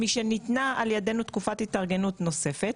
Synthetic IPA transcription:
miʃenit̪naaljadenut̪kufat̪it̪aʁɡe̞nut̪no̞se̞fet̪

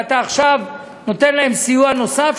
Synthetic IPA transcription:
at̪aːχʃav | no̞t̪e̞nlahe̞msijuano̞saf

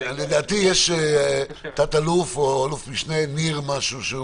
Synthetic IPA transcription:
led̪aːt̪ijeʃe | t̪at̪alufoalufmiʃneniʁmaʃuʃe

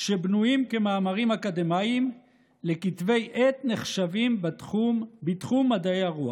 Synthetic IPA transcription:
ʃebnujimkemaːmaʁimhakad̪emaim | lekit̪ve̞jʔet̪ne̞χʃavim | bit̪χumːad̪aejaʁua

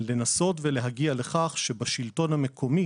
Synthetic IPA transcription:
le̞naso̞tvele̞ɦaɡiale̞χaχʃebaʃilto̞nhame̞kʰo̞mi

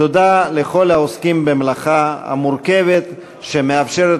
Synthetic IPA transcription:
od̪aleχo̞laoskimbemlaχaha̰muɾkevet̪ | ʃemeafʃeɾet

